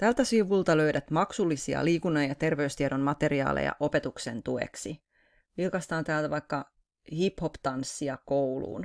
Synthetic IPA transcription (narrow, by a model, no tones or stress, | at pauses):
t̪ælt̪æsiʋult̪ɑløyɾæt̪mɑksulːisiɑ̰liːkunːɑjjɑt̪e̞rʋeyst̪ieɾommɑt̪e̞riɑ̰ːlḛjɑ̰ʔo̞pet̪uksḛnt̪uḛksi | ʋilkɑst̪ɑːnt̪æːlt̪æʋɑjkːɑ | hipho̞pt̪ɑnsːiɑkowlṵːn